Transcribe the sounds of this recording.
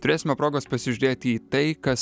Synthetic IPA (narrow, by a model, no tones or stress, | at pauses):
t̪ʊɾʲeːsʲɪmʲɛpɾoːɡoːspɐsʲɪʒʲʉɾʲeːt̪ʲiːt̪ɐɪkɐs